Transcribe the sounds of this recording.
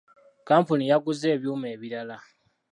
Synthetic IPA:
kaːmpunijaɡuze̞ːβjuːme̞ːβiɾala

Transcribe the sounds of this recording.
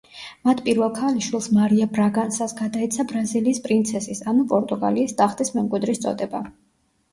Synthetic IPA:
mat̪ʰpʼiɾvɛlˠkʰaliʃwilˠsmaɾiabɾaɡansasɡad̪ait̪sʰabɾaziliːspʼɾint̪sʰɛsisanupʼɔɾt̪ʼuɡa̰liːsd̪aχt̪ʼismɛmkʼwid̪ɾist̪sʼɔ̰d̪ɛba

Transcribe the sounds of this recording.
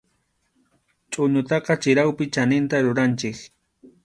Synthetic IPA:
t͡ʃʼʊɲʊt̪ɑqɑt͡ʃɪɾawpɪt͡ʃanɪnt̪aɾʊɾant͡ʃɪk

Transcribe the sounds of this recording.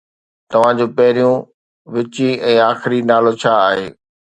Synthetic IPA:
t̪ɐʋ̤ãd͡ʑoːpɐɦɪɾijũ | ʋɪt͡ɕiɛ̃ːaːxɪɾinaːlot͡ɕʰaːɦeː

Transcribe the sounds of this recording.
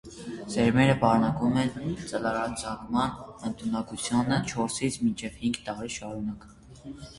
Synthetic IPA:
zɛɾmɛɾəbɑɾnɑkumɛnt͡səlɑɾɑd͡zʰɑɡmɑnənt̪ʰunɑkut͡sʰjunət͡ʃʰɔɾsit͡sʰmint͡ʃʰɛv̥hiŋɡt̪ɑɾiʃɑɾunɑk

